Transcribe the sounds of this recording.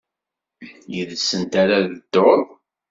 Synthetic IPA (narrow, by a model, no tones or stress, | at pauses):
jəðsːənt̪aɾaðəd̪̥ːoɾˤ